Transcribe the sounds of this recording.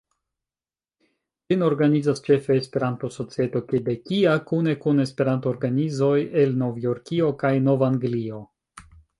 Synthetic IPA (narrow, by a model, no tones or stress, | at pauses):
lino̞ɾɡanizast͡ʃe̞fe̞ːspe̞ɾantoso̞t͡sie̞to̞kebe̞kiakune̞kune̞spe̞ɾantoːɾɡanizo̞je̞lno̞vijo̞ɾkio̞kajno̞vaːŋɡlio̞